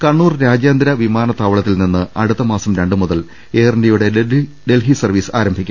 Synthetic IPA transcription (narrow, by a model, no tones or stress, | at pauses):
kɐɳːuːrɾaːd͡ʑjaːnd̪ɾɐʋimaːnɐt̪aːʋɐɭɐt̪ːilninːɨɐɽut̪ːɐmaːsɐmɾeɳɖɨmuðɐl | eːrndijuɽe | ɖe̞lɦisɐrʋiːsaːɾɐmbʱikʲːum